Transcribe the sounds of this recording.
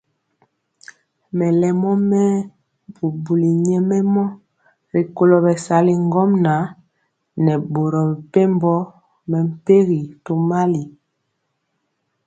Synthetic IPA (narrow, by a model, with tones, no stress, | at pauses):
mɛ˨lɛ˨mɔ˦mɛ˦ | bu˨bu˨li˨ɲɛ˦mɛ˦mɔ˦ | ɾi˨ko˨lo˨bɛ˨sa˨li˨ŋ˦ɡɔ˦mna˨˦ | nɛ˨bo˨ɾɔ˨m˨pe˦mbɔ˦ | mɛ˨m̩˨pe˦ɣi˨to˦ma˦li˨